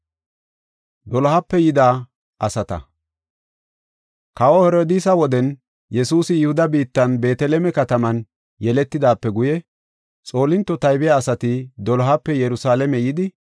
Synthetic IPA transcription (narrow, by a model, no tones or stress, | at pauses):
d̪ɔlɦɐpːɛjɪd̪aː | ɐsɐt̪ɐ̰ | kɐwɔhɛɾoːd̪iːsɐwɔd̪ɛn | jɛsuːsɪjʊhʊd̪ɐbiːt̪ːɐnbe̞ːt̪ɛlɛmɛkɐt̪ɐmɐn | jɛlɛt̪ːɪd̪aːpːɛɡʊjɛ | t͡sʼo̞ːlɪnt̪ːɔt̪ɐjbɪjaːsɐt̪ɪd̪ɔlɦɐpːɛjɛɾʊsaːlɛmɛjɪd̪ɪ